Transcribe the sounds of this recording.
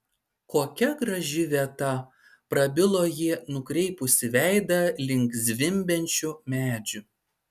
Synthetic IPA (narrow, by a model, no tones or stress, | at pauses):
koːkʲɛɡɾɐʒʲɪʋʲiɛt̪ɐ | pɾɐbʲɪlˠoːjinʊkɾʲɛɪpʊsʲɪʋʲæɪd̪ɐlʲɪŋkzʲʋʲɪmʲbʲɛnʲt͡ʃʲʊmʲæːd͡ʒʲʊ